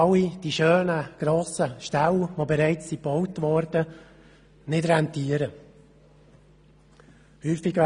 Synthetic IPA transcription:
ɑlid̥iʃøːnəɡ̥ɾoːsəʃtɛlʋobɛɾɛɪt͡ssibɔwtʋɔɾd̥ə | nɪdɾɛntiəɾə | hyːfɪɡ

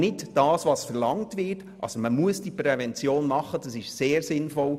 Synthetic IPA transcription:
nɪtd̥ɑːsʋɑsfɛɾlɑŋtvɪt | ʔɑ̰soməmuəsd̥ipɾɛvɛnt͡sjoːnmɑχːəd̥ɑsɪʃseːɾsɪnfɔl

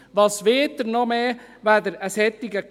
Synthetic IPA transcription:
ʋɑsʋɪːtdəɾnɔmeːʋæd̪əɾəshɛt̪ːɪɡək

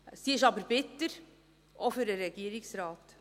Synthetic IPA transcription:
siɪʃɑbəɾbɪtːəɾ | ʔofʏɾdəɾɛɡ̥iəɾɪksɾɑːt̪

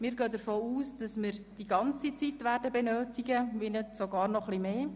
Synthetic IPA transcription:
mɪːɾɡøːd̪əɾfoːuːsd̥ɑsmɪɾd̥iɡɑnt͡sit͡sit̪ʋæːɾdəbɛnøːtiɡəʋinetsoɡɑːɾnɔχlimeː

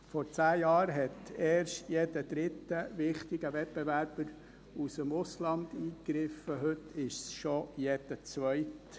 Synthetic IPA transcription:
fɔɾt͡sæːjɑːɾɦɛtɛːɾʃtjɛdəd̪̥ɾɪtːəvɪχtɪɡəvɛt̚b̥ɛvæɾb̥əɾ | usəmʊslɑnd̪iːkɾɪfəɦɵtʰɪʃsʃɔjɛd̥ət͡sʋœɪt

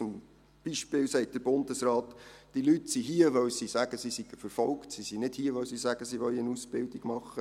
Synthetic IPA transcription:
ʊm | b̥iʃpɪːwsɛɪt̚d̥əɾbʊnd̪əsraːtd̥ilytsiɦiəʋœwsisæɡ̥əsisiɡ̥əfəɾfɔlktsisinɪd̥hiəʋœʊsisæɡəsiʋœʏənusb̥ɪldiɡ̥mɑχːə

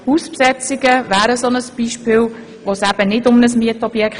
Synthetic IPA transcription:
huspsɛt͡sɪɡəvæːɾəsonəsb̥iʃpɪːl | ʋosæb̥ənɪdʊmnəsmiətɔb̥jɛk

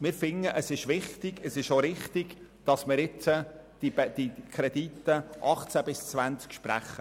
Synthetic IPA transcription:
mɪːɾfɪŋːəʔəsɪʃʋɪχtɪɡəsɪʃoɾɪχt̪ɪɡ̥d̥ɑsmɪɾɪt͡səd̥ibɛd̥ikʰɾɛd̪it̪ːəʔɑχt͡sæbɪst͡svænt͡skʃpɾæ̰χːə

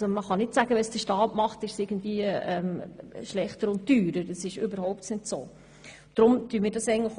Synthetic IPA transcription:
oməχɑnɪtsæɡəʋɛsd̥əʃtɑːtmɑχtɪʃsɪɡ̥ən̩dviːəɛmʃlɛχtəɾʊnt̚tyːɾəɾdəsɪʃʏbəɾhoʊp̚tnɪtso̰ː | d̥ɾʊmtyːmɪːɾdɑsɛɪən̩tlə

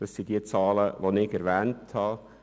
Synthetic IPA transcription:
d̥ɑsid̥iət͡sɑːləʋonɪɡɛɾvɛːnthɑ

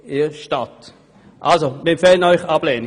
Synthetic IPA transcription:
ɪʃtat | ʔalsomɪmfɛːlənœʏxab̥lɛːni

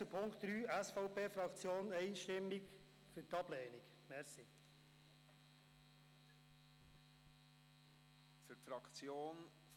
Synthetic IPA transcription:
əpʰʊŋkt̪ɾyːʔæsfɔʊpʰeːfɾɑkt͡sjoːnɛɪʃtɪmːik | fyɾtɑb̥lɛːnik | mɛɾsi | fyɾtfɾɑkt͡sjoːn

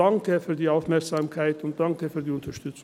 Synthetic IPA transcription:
ɑŋkəfyːʁdiːaʊfmɛɾksɑːmkʰaɪtʊnt̚d̥̪ɑŋkəfyːʁdiːʊnt̪əʃtʏt͡sʊ

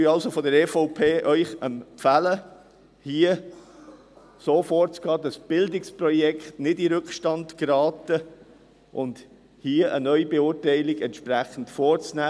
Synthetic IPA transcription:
yɑlsofɔdəɾɛfɔʊpʰeːʔœʏχəmpfælə | hiːə | soːfoːɾt͡sɡ̥ɑːdɑsb̥ɪldɪksprɔjɛkχtnɪdiɾɵkχʃtɑndkɾɑːtə | ʔʊnd | hiːəʔə̰nœʏbeʊːɾtæɪlɪɡɛntʃpɾæχən̩tfoːɾt͡snæː

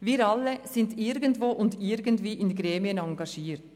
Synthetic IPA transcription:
viːɾɑlːəsɪndɪɾɡəntvoːʔʊndɪɾɡəntviːʔɪnɡɾeːmiənɑŋɡɑʃiːɾt

